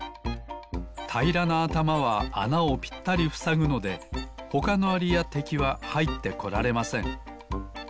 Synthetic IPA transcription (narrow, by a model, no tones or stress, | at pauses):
t̪ʰaiɾanaːt̪amaβaa̰naopʲi̥t̪ːaɾʲiɸɯ̟̥saɡɯ̟no̞d̪e̞ho̞kano̞aɾʲijat̪e̞kʲiβahait̪ːe̞ko̞ɾaɾe̞masẽ̞ŋ